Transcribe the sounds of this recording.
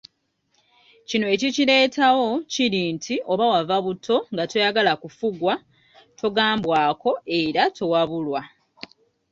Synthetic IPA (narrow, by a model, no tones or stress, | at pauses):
cinoe̞cicile̞ːtʰawo̞ciɾintʰiʔo̞βawavaβutʰːo̞ŋɡato̞jaɡalakufuɡwa | tʰo̞ɡaːmbwaːko̞e̞ɾatʰo̞waβulwa